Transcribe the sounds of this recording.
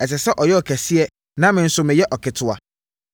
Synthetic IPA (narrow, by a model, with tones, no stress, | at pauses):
ɛ˨s̬ɛ˨sɛ˦ʔɔ˨jɛ˦ɔ˨kʰæ˨sɪ˦ɛ˦ | nã˦mɪ̃˨n̩˦sʊ˦mɪ̃˨jɛ˦ʔɔ˨kʰɪ˨tʰʊ˨a˨